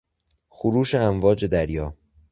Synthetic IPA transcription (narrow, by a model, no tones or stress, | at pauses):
xoɾuːʃeæmvɒːd͡ʒe̞d̪æɾjɒː